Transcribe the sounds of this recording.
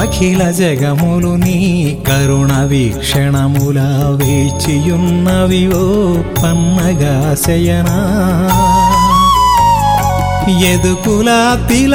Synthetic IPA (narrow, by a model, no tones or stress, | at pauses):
ɐkʰilɐd͡ʒɛɡɐmulunikɐɾuɳɐʋikʂɛɳɐmulɐʋet͡ʃijunːɐʋiʋo | pɐnːɐɡɐsɛjɐnɐ | jed̪ukulɐt̪il